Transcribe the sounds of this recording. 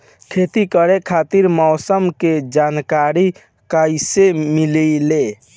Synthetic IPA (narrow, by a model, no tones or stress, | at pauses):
kʰeːt̪ikəɾekʰaːt̪iɾmɔːsəmked͡ʒaːnkaɾi | kaisemilile